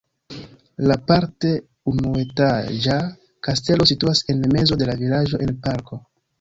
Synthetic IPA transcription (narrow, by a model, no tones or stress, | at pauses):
lapaɾte̞ | unue̞tad͡ʒa | kaste̞lo̞situase̞nme̞zo̞de̞lavilaʒo̞ʔe̞npaɾko̞